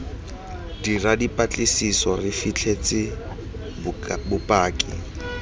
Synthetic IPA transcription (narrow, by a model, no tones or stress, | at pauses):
diradipʼat͡ɬʼɪsisɔrɪfit͡ɬʰet͡sʼɪ | bʊpʼaːkʼɪ̰